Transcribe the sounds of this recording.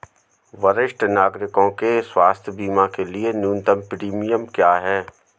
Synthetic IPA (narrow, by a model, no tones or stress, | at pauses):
ʋɐɾɪʃʈnaːɡɾɪkõkeswaːst̪ʰjbiːmãkelienjuːnt̪əmpɾiːmijəmkjaːɦɛː